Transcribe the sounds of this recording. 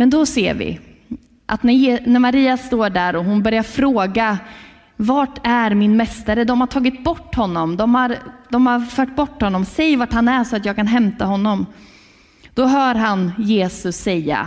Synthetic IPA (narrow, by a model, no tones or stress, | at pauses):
mɛnd̪ɔsḛːɾvɪ̰ | ʔat̪næjeːnæɾmaɾiːast̪oːɖæɾɔɦʊnbœɾjaɾfɾoːɡa | vaʈæɾmɪnmɛst̪aɾəd̪ɔmhaʈʰɑːɡɪt̪̚bɔʈːhɔnːɔmd̪ɔmhaɾd̪̥ɔmhaɾfœːʈ̚bɔʈːhɔnːɔmsɛjːvaʈhanæʂɔat̪jɑːɡ̚kʰanɦɛmt̪aɦɔnːɔm | d̪̥ɔɦœːɾɦanjeːsɵsːɛjːa̰